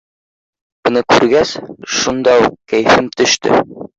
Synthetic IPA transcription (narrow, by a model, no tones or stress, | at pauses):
bɤ̆nɤkʉɾɡæsʃund̪ɑuqkæjfɘmt̪ɵ̆ʃt̪ɘ̰